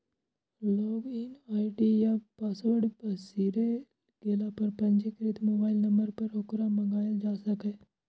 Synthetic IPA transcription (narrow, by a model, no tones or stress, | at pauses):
loːɡɪnaːiʈijapaːswəɽbəsiːɾe | ɡeːlapɐɾpɐnd͡ʒekɾɪt̪moːbaːɪlnɐmbəɾpɐɾokɾamɐŋɡaːjad͡ʒaːsɐke